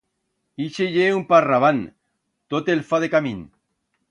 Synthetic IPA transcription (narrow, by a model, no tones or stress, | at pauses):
iʃeʝeumparaβan | t̪ot̪elfaðekamĩn